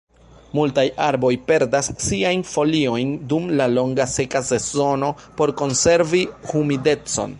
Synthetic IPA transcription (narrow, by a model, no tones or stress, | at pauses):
multajaɾbo̞jpe̞ɾdasːiajnfo̞lio̞jndumlalo̞ŋɡase̞kase̞zo̞no̞po̞ɾko̞nse̞ɾvihumide̞t͡so̞̰n